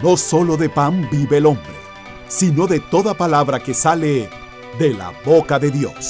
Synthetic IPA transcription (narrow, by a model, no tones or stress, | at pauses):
no̞so̞lo̞ðe̞pambiβe̞ːlo̞mbɾḛ | sino̞ðe̞t̪o̞ðapalaβɾake̞sale̞ | ðe̞la̰βo̞kaðe̞ðjo̞̰s